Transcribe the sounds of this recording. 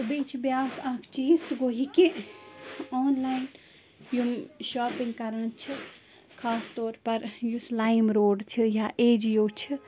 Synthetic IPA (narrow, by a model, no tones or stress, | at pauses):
t̪bit͡ʃʰbjaːsaːkʰt͡ʃʰiisɡoːɦike | ɔːnlaːjn | jumʃaːpĩŋɡkɐɾãnt͡ʃʰi | kʰaːst̪ɔːɾpɐɾjuslaːimɾoːɖt͡ʃʰijaʔeːd͡ʒjoːt͡ʃʰi